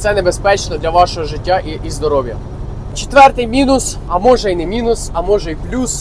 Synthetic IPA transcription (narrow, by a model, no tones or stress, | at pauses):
t̪sɛnebespɛt͡ʃnɔd̪lʲɐʋɑʃɔɦɔʒɪtʲːaʔiizd̪ɔɾɔʋjɐ̰ | t͡ʃet̪ʋɛrt̪ɪjmʲinʊs | ɐmɔʒɛinɛmʲinʊsɐmɔʒɛjplʲus